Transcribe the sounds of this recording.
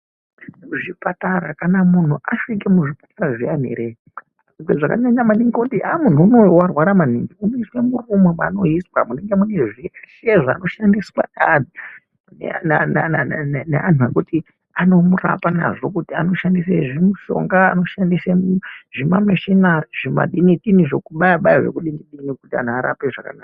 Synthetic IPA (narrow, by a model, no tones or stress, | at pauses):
ʐipataɾakanamun̤uʔaʂik̬emuʐipḁtaɾaʐian̤ḛɾe | ikweʐaka̰ɲaɲamaniŋɡokutiamun̤uːno̞warwaɾamaniŋɡiunoiswe̞murumomano̞iswa̰mune̞ŋɡe̞mune̞ʐiaʃeʐoa̰no̞ʃandiswa̰ai | n̰nananneanuekuti | ano̞mura̰pana̰ʐo̞kutiano̞ʃandis̬eʐimuʃo̞̰ŋɡaːno̞ʃandiseʐimameʃinaʐ̥ima̰ɗiniɗiniʐokuɓajaɓajaʐe̞̰kuɗiniɗinikutia̰n̤uaɾa̰peʐaka̰naːka